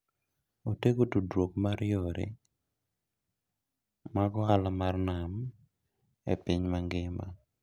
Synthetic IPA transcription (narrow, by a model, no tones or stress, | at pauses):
otekotudɾokmaɾjoɾḛ | maɡɔalamarnam | ḛpiɲmaŋɡɪma̰